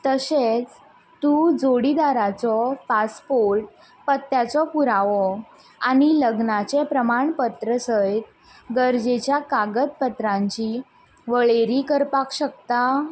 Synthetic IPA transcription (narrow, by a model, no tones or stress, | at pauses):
t̪əset͡s | t̪ud͡zoɽid̪aɾat͡sɔpaspoɾʈ̚ | pət̪ːjat͡sɔpuɾaʋɔ | aɽ̃iləɡnat͡ɕepɾəmaɳpət̪ɾəsəjt̪̚ | ɡəɾd͡ʑet͡ɕjakaɡət̪̚pət̪ɾãɲt͡ɕi | ʋəɭeɾikəɾpakɕək̚t̪a